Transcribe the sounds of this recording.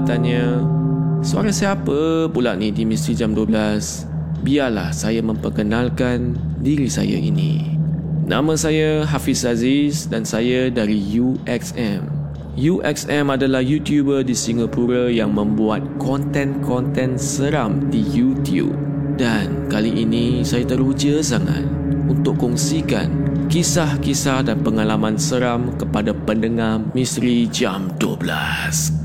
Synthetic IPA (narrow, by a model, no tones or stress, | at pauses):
t̪aɲə | sua̰ɾãsiapəpulaʔ̚nidimĩst̪ɾid͡ʒamduəblas | biarla̰hsajamə̃mpərkənãlkan | diɾisa̰ja̰ʔḭnḭ̃ | nʔã̰mə̃sajaɦafisazisdansajadaɾijuʔɛksɛm | juʔɛ̰ksɛ̃madalahjut̪jubədisiŋapuɾajaŋmə̃mbuat̪̚kɔnt̪ɛ̃nkʰɔnt̪ɛ̃nsəɾamdijut̪jṵp̚ | dankaliʔinĩsajat̪əɾud͡ʒəsaŋa̰t̪̚unt̪ʊʔkɔŋsika̰nkisahkisahdanpəŋalamãnsəɾamkəpadapəndəŋahmĩst̪ɾid͡ʒamduə̰bla̰s